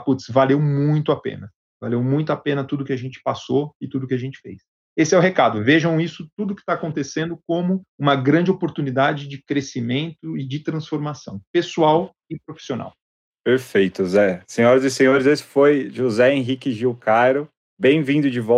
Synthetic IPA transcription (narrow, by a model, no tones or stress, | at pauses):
put̪svalewmũj̃t̪ʊapḛ̃nɐ | valewmũj̃t̪̬ʊapẽnɐt̪ud̪ʊkɪaʒẽnt͡ʃɪ̥pasoɪt̪ud̪ʊkɪaʒẽnt͡ʃɪ̥fejs | esɪɛʊɦekad̪ʊveʒɐ̃w̃isʊt̪ud̪ʊkɪ̥t̪aːkõnt̪esẽnd̪ʊkõmʊũmɐɡɾɐ̃nd͡ʒɪopoɾt̪unid̪ad͡ʒɪd͡ʒɪkɾesimẽnt̪ʊɪd͡ʒɪt̪ɾɐ̃sfoɾmasɐ̃w̃pesuaw | ɪpɾofi̥siona̰w | peɾfejt̪ʊzɛsẽɲɔɾɐzɪsẽɲoɾɪzesɪ̥fojʒozɛẽɦikɪʒiwkʰajɾʊ | bẽj̃vĩd̪ʊd͡ʒɪvɔ